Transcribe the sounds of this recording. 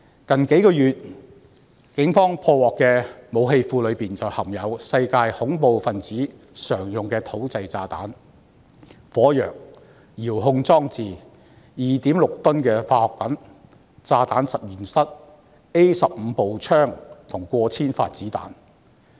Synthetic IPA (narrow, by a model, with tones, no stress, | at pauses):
kɐ˨nke˨˥jkɔː˧jyː˨t̚ | kɪ˨˥ŋfɔː˥ŋpʰɔː˧wɔː˨kːɛː˧mo˨˧wɦe˧jfuː˧lɵ˨˧ɥpiː˨nt͡sɐ˨˩whɐ˨˩mjɐ˨˧wsɐ˧jkaː˧jhʊ˨˥ŋpo˨˧wfɐ˨nt͡siː˨˥ | sœː˨˩ŋjʊ˨ŋkɛː˧t̪ʰo˨˥wt͡sɐ˧jt͡saː˧t̪a̰ː˨˥n | fɔː˨˥jœː˨˩k̚ | jiː˨˩wɦʊ˧ŋt͡sɔː˥ŋt͡siː˨ | jiː˨t̪iː˨˥mlʊ˨k̚t̪ʊ˥nkɛː˧faː˧hɔ˨k̚pɐ˨˥n | t͡saː˧t̪aː˨˥nsɐ˨p̚jyː˨˩nsɐ˥t̚ | e˥jsɐ˨p̚m̩˨˧po˨wt͡ʃʰœː˥ŋt̪ʰʊ˨˩ŋkʷɔː˧t͡sʰiː˥nfa̰ː˧t̚t͡siː˨˥t̪a̰ː˨˥n